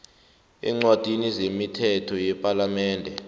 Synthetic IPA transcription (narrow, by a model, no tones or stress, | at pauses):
ɛ̰ŋ͡ǀwad̥ʱinizemitʰɛtʰɔjɛpʼalamɛːndʱɛ